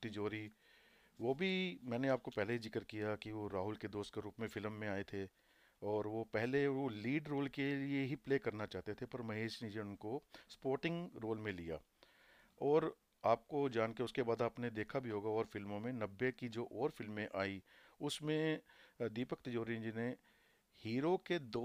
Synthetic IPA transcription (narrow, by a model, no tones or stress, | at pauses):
t̪ɪd͡ʒoːɾi | ʋobʱimɛ̃ːneaːp̚kopɛɦleɦizɪkəɾkijakiʋoɾaːɦʊlked̪oːst̪̚keɾuːpmẽfɪlmːẽaːet̪ʰe | ɔːɾʋopɛɦleoliːɖɾoːlkelieɦipleːkɐɾnat͡ʃaːɦt̪et̪ʰepɐɾmɐɦeːʃnid͡ʒeʊnkospoːɾʈɪ̃ŋɡɾoːlmẽlija̰ː | ɔːɾ | aːp̚kod͡ʒaːnkeʊskebaːd̪aːpned̪eːkʰabʱiɦoːɡaɔːɾfɪlmõmẽnɐbːekid͡ʒoːʔɔːɾfɪlmːẽʔaːiʊsmẽd̪iːpəkt̪ɐd͡ʒoːɾĩd͡ʒine | hiːɾoked̪oː